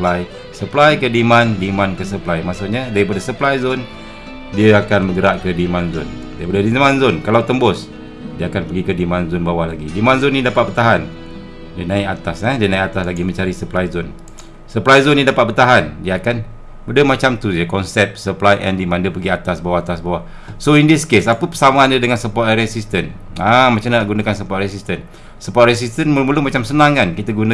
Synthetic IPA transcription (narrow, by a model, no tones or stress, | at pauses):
plaj | səplajkədimãndimãnkəsəplajmaʔsokɲadaɾipadasəplajzʊn | diəakanməɡəɾaʔkədimanzʊn | daɾipadadimãnzʊnkalawt̪əmbʊs | diəakanpəɡikədimanzʊnbawahlaɡidimãnzʊnːĩdapat̪̚bərt̪aɦan | diənãiʔat̪asadiənãiʔat̪aslaɡimə̃ɲt͡ʃaɾisəplajzʊn | səplajzonːĩdapat̪̚bərt̪aɦandiaːkan | mudəmat͡ʃamt̪ud͡ʒakɔnsɛp̚səplajʔɛ̰ndimandəpəɡiat̪asbawahat̪asbawah | soindiskesapəpəsamaːndədəŋansəpɔtɾɛsist̪ən | amat͡ʃamnaʔɡunakansəpɔt̪̚rɛsist̪ən | səpɔt̪̚rɛs̬ist̪ənmuumulumat͡ʃamsənaŋankit̪aɡuna